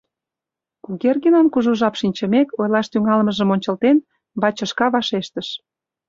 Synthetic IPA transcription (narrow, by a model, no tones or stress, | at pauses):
kuɣerɣenonkuʒuʒɑpʃinʲt͡ɕə̆mekojlɑʃt̪yŋɑlməʒəmonʲt͡ɕə̆lt̪en | bɑt͡ɕə̆ʃkɑβɑʃeʃt̪əʃ